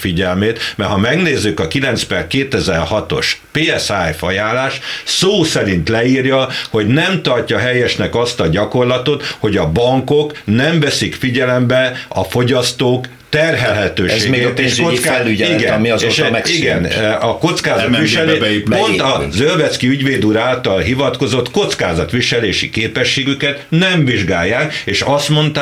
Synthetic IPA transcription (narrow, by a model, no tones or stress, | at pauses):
fiɟɛlmeːt̪mɛrhɒmɛɡneːzːykɒkilɛnt̪spɛrkeːt̪ɛzɛrhɒt̪o̞̰ʃpeːɛsajfɒjaːlːaːʃsoːsɛɾint̪lɛiːrjɒho̞ɟnɛmt̪ɒrcɒɦɛjɛʃnɛkɒst̪ɒɟɒko̞rlɒt̪o̞t̪ho̞ɟɒbɒŋko̞knɛɱvɛsikfiɟɛlɛmbɛɒfo̞ɟɒst̪oːk | t̪ɛrɦɛlɦɛt̪øːʃʃeːmɡeːt̪eːʃkoiskalːyiɡɛnmiːʃiɡɛnɒko̞t̪skaːzɒt̪ʋiʃɛlepo̞nt̪ɒzølvɛt̪skiyɟʋeːd̪uːɾaːlt̪ɒlɦivɒt̪ko̞zo̞t̪ko̞t̪skaːzɒt̪ʋiʃɛleːʃḭkeːpɛʃːeːɡykɛt̪nɛmviʒɡaːjːaːkeːʃɒst̪mo̞nt̪ː